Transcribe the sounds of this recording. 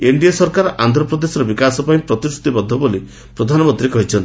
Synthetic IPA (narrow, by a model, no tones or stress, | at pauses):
eɳɖijasɔɾkaɾɔʔant̪ɾɔpɾɔd̪esɔɾɔbikasɔpaj̃pɾɔt̪isʰu̥t̪ibɔd̪ʱːɔboli | pɾɔd̪ʱanɔmɔnt̪ɾikɔɦit͡ʃʰɔnt̪i̥